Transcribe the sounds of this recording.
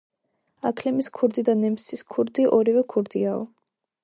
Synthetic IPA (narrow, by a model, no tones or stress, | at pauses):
akʰlɛmiskʰuɾd̪id̪anɛmsiskʰuɾd̪iʔɔɾivɛkʰuɾd̪iaɔ